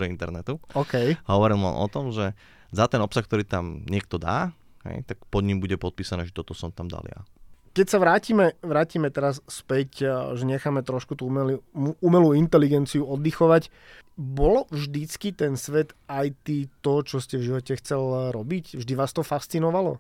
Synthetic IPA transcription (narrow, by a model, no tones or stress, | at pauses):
ɔint̪ɛɾnɛt̪uɔːkɛjɦɔʋɔɾilˠʋa̰nɔ̰t̪ɔmʒɛ | zat̪ɛnɔpsaxk̚t̪ɔɾiːt̪amɲɪɛk̚t̪ɔd̪a̰ː | ɦɛ̰jt̪akpɔd̪ɲimbuɟɛpɔt̪̚piːsanɛːʒɛt̪ɔt̪ɔsɔmt̪amd̪a̰lja̰kɛcsaʋɾaːciːmɛʋɾaːciːmɛt̪ɛɾasspɛcʒɛɲɛxaːmɛt̪ɾɔʃkut̪umɛluumɛluːint̪ɛliɡɛnt͡siuɔd̪ːixɔʋac | bɔlɔvʒd̪it͡skit̪ɛnsʋɛt̪ajt̪iːt̪ɔt͡ʃɔscɛvʒiʋɔcɛxt͡sɛlɾɔbicvʒd̪iʋaːst̪ɔfast͡sinɔʋalɔ̰